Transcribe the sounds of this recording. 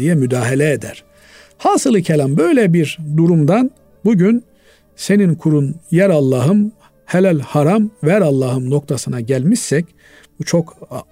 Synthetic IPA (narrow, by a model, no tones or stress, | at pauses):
ijɛmyd̪aːɦelʲɛed̪æɾ̥ | haːsɯlˠɯcʰelʲambø̞jlʲɛbiɾd̪uɾumd̪an | buɟyn | se̞ninkʰuɾunjæɾalˠːaːɦɯm | helʲælʲhaɾamvæɾalˠːaːɦɯmno̞k̚t̪ʰasɯnaɟælʲmiʃːɛc | but͡ʃʰo̞k